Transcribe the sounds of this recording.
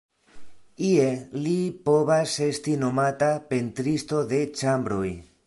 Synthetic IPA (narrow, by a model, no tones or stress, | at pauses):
ie̞lipo̞vase̞stino̞matape̞ntɾisto̞de̞t͡ʃambɾo̞j